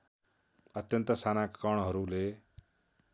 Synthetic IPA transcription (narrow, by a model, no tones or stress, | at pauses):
ʌt̪jʌnt̪əsanakkʌɳ̃ɦʌɾule